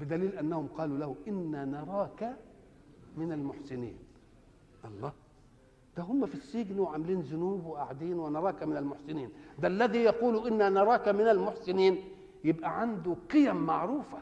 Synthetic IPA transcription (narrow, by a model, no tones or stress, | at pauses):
bɪd̪æliːlʔænːæhʊmqɑːlulæhʊʔɪnːænɑɾˤɑːkæ | mɪnalmʊħsɪnḭːn | ʔɑlˤːɑː | d̪̥æɦʊmːæfisːɪɡnwɪʕamliːnzʊnuːbwɪʔaʕd̪iːnwɪnɑɾˤɑːkamɪnalmʊħsɪniːnd̪ælːæðiːjɑquːluʔɪnːænɑɾˤɑːkamɪnalmʊħsɪniːn | jɪbʔæʕand̪ʊqɨjæmːaʕɾuːfa